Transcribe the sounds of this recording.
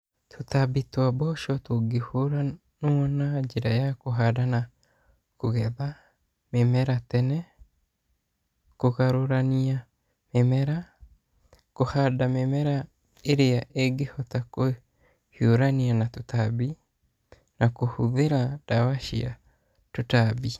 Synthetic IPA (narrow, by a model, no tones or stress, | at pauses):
tʰotabitwabɔʃɔtoɡehoɾa | nɔɔnad͡ʒeɾajakoɦadana | koɣɛða | memɛɾatɛnɛ | koɣaɾoɾania | memɛɾa | kohadamemɛɾa | eɾeaʔeɡehɔtako | hioɾanianatutabi | nakohuðeɾad̥awaʃia̰ | tutabi